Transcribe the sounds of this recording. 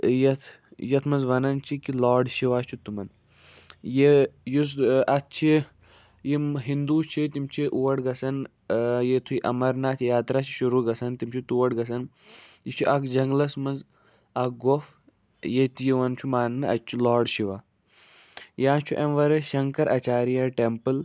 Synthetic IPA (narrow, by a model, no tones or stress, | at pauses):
jɐt̪ʰ | jɐt̪ʰmɐnzʋɐnɐnt͡ʃʰikilaːɖʃiʋaːt͡ʃʰut̪umɐn | jejus̬ɐt͡ʃʰi | jimɦind̪uːt͡ʃʰit̪imt͡ʃʰiʔuʋɐɽɡɐsɐn | jet̪ʰuiʔɐmɐɾnaːt̪ʰijaːt̪ɾaːt͡ʃʰi̥ʃuɾuːɡɐsɐnt̪imt͡ʃʰit̪uʋɐʈɡɐs̬ɐn | jit͡ʃʰiʔɐkd͡ʒɐŋɡlɐsmɐnz | ɐk̚ɡof | jet̪ijiʋɐnt͡ʃʰumaːnːɨɐ̰t͡ʃʰulaːɖʃiʋaː | jãːt͡ʃʰuʔemʋɐɾɐʃɐŋkɐɾʔɐt͡ʃaːɾijaʈempɨl